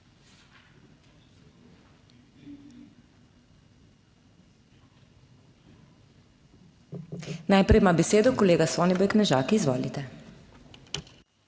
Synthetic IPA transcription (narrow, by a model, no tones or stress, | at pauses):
najpɾɛjmabɛseːd̪ɔkɔleːɡasɔːnibɔjknɛʒaːkiizʋɔːlḭt̪ɛ